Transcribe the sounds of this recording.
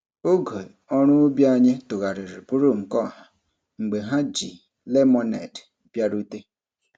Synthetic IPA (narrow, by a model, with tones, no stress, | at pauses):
o˦ɡe˨ɔ˦ɾ̃ʊ˦bja˦ɲɪ˦tʊ˨ɣa˨ɾɪ˨ɾɪ˨pʊ˦ɾu˦˨m̩˨kɔ˦˨ɦa˨ | ŋ͡m̩˨ɡ͡be˨ɦa˦d͡ʒi˨ | le˦mɔ˦nḛ˨d | bja˦ɾu˦te˦